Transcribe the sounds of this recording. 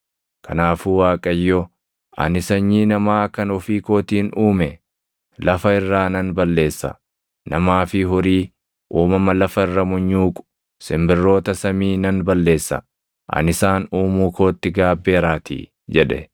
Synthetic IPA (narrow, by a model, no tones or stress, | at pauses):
kʰɐnaːfuwaːkʼɐjːɔ | ʔɐ̰nɪsɐɲːiːnɐmaːkɐnɔfiːkoːt̪iːnʔuːmɛ | lɐfɐɪrːaːnɐnbɐlːe̞ːsːɐ̰ | nɐmaːfɪɦʊɾiː | ʔuːmɐmɐlɐfɐɪrːɐmʊɲːuːkʼʊ̥ | sɪmbɪrːo̞ːt̪ɐsɐmiːnɐnbɐlːe̞ːsːɐ̰ | ʔɐ̰nɪsaːnuːmuːkoːt̪ːɪɡaːbːe̞ːɾaːt̪ḭː | d͡ʒɛᶑɛ̰